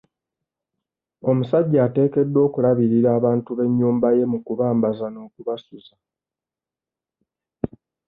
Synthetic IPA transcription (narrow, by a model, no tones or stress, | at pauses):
o̞musaɟːaːte̞ːke̞dːo̞ːkulaβiɾiɾaːβaːntuβe̞ɲːuːmbaje̞mukuβaːmbazano̞ːkuβasuza